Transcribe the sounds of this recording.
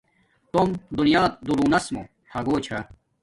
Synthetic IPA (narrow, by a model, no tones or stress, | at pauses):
t̪omd̪unijaːt̪̚d̪uɾuːnɐsmo̰ | hʰɐɡoːt͡ɕʰɐ